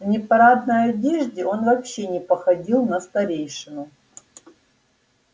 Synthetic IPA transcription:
vnʲɪpɐɾad̪nəjɐdʲeʐdʲɪo̞nvɐpɕːenʲɪpɐxɐdʲilˠnɐst̪ɐɾʲejʂɨnʊ

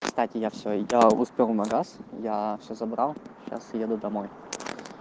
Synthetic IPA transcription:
kst̪atʲɪjafsʲojaʊ̰spʲelˠnɐɡasjafsʲɵzɐbɾalˠɕa̰sjed̪ʊd̪ɐmoj

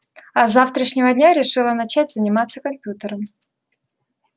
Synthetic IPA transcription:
ɐzaft̪ɾəʂnʲɪvədʲnʲaɾʲɪʂɨlˠənɐt͡ɕætʲz̥ənʲɪmat̪sːəkɐmʲpʲjut̪əɾəm

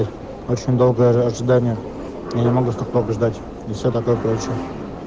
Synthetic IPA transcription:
tʲ | ot͡ɕɪnʲd̪o̞lˠɡəjəɐʐɨd̪anʲɪjə | janʲɪmɐɡust̪oxt̪okəʐd̪atʲ | ifsʲot̪ɐko̞jəpt͡ɕɪ

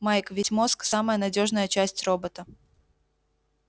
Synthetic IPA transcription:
majkvʲesʲmo̞sksaməjənɐdʲo̞ʐnəjət͡ɕæsʲtʲro̞bət̪ə

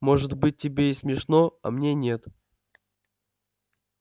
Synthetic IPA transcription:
mo̞ʐɨt̪bɨt̚ʲːɪbʲeɪsmʲɪʂnoɐ̰mnʲenʲe̞t̪

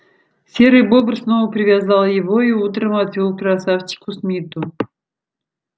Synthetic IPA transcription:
sʲeɾɨjbobrsnovəpɾʲɪvʲazɑlˠjɪvoiut̪̬ɾəmat̪vʲilˠkɾasaft͡ɕɪ̥kʊsmʲit̪u

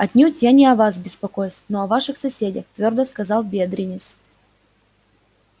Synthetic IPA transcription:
ɐtʲnʲutʲjanʲɪɐvasbʲɪspɐkojsʲnoɐvaʂɨxsɐsʲedʲəxt̪vʲord̪əskɐzɑlˠbʲed̪ɾʲɪnʲɪt̪sʊ̥

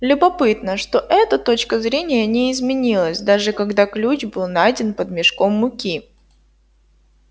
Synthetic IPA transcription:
lʲʊbɐpɨt̪nəʂt̪o̞ʔɛt̪ət̪o̞t͡ɕkəzɾʲenʲɪjənʲɪɪzmʲɪnʲilˠəsʲd̪aʐɨkɐɡd̪aklʲut͡ɕbɨlˠnajdʲɪnpəd̪̚mʲɪʂko̞mːʊkʲi

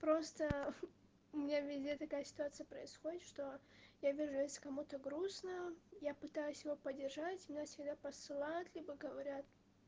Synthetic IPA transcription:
pɾo̞st̪ə | ʊmʲɪnʲavʲɪzʲdʲet̪ɐkajəsʲɪ̥t̪ʊat̪sɨjəpɾəɪsxodʲɪt̪ʂt̪o̞javʲiʐʊjesʲlʲɪ̥kɐmut̪əɡɾusnəjapɨt̪ajʊsʲjɪvopədʲːɪrʐatʲmʲɪnʲafsʲɪɡd̪apəsɨlˠajʊt̪lʲibəɡəvɐɾʲat̪

